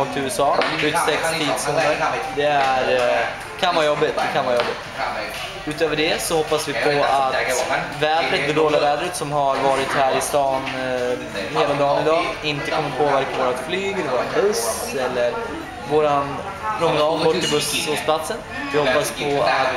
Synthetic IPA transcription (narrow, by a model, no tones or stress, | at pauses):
ɔːk̚t̪ʰɪʉːɛsɑːʉt̪ːsɛkst̪ʰiːd̪shuːnəɾd̪ɛæɾ | kʰanvɑːɾjɔbːɪt̪̚d̪ɛkʰanvɑːɾjɔbːɪt̪ | ʉ̟ːt̪øːvəɖɛsɔhɔpːasvɪpʰɔat̪væːd̪ɾət̪d̪ɛd̪oːlɪavɛːd̪ɾət̪sɔmɦaɾvɑːɾɪt̪hæːɾɪst̪ɑːn | heːlad̪ɑːnɪd̪ɑːɪnt̪əkʰɔmːət̪̚pʰoːvæɾkavoːɾat̪flyːɡɛlvoːɾanbɵs | ɛlːəɾ | voːɾan | ɾɔmnabɔʈːɪlbɵsuːspʰlat̪sən | vɪhɔpːaspʰɔat̪